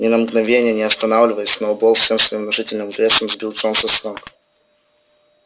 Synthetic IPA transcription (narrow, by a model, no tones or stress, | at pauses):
nʲɪnəmɡnɐvʲenʲɪjənʲɪɐst̪ɐnavlʲɪvəjɪsʲnɐʊbolˠfsʲemsvɐjimnɐʐɨtʲɪlʲnɨmvlʲesəmzbʲilˠʐonsɐsnʲomk